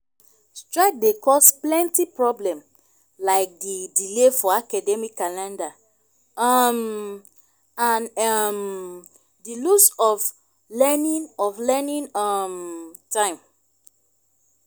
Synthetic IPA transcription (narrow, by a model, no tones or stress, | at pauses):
stɹaɪk̚dekɔsplɛ̃ntipɹɔblɛ̃m | laɪk̚didilefɔakadɛmikːalɛ̃nda | m | ãnm | dilusɔf | lɛnĩnɔvlɛnĩnɔmtãɪ̃m